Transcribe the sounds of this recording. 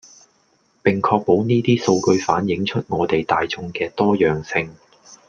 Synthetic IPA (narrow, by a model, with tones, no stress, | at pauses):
pɪ˨ŋkʰɔː˧k̚po˨˥wniː˥t̪iː˥so˧wkɵ˧ɥfaː˨˥njɪ˨˥ŋt͡ʃʰɵ˥t̚ŋɔː˨˧t̪e˨jt̪aː˨jt͡sʊ˧ŋkɛː˧t̪ɔː˥jœː˨ŋsɪ˧ŋ